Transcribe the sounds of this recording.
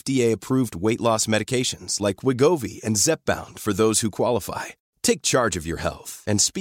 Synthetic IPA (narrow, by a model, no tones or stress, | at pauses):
fd̥ieɪɨpʰɹ̥uvd̚weɪʔˡlɔsmɛɾɨkʰeɪʃɨ̃nz̥laɪkʰwɪɡoʊvḭɨ̃nzɛp̚b̥ã̰ʊ̃nd̥fə˞ðoʊz̥hukʰw̥ɑlˠəfa̰ɪ | tʰeɪk̚t͡ʃʰɑɹd͡ʒʌvjə̰˞hɛ̰lˠθɨ̃nspi